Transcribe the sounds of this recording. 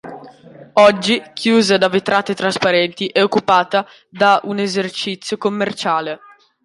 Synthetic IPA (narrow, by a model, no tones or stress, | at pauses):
ɔd͡ʒːikʰjuːzad̪avet̪ɾʔaːt̪et̪ɾaspaɾɛnt̪iʔɛokːupaːt̪a | d̪aʔunezert͡ʃit̪sːjokomːert͡ʃaːle